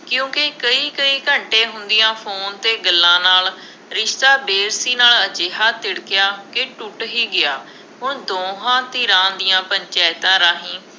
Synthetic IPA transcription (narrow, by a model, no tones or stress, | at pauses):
kjũːkeːkəiːkəiːkəɳʈẽːɦʊnd̪ɪjãːpʰoːnt̪eːɡəlːãːnaːl | ɾɪʃt̪aːbeːɾsiːnaːlət͡ʃeːɦaːt̪ɪɽkɪjaːkeʈʊʈɦiːɡɪjaː | ɦʊɽd̪oːɦãːt̪iːɾãːd̪ɪjãːpəɲt͡ʃɛːɪt̪ãːɾaːɦĩː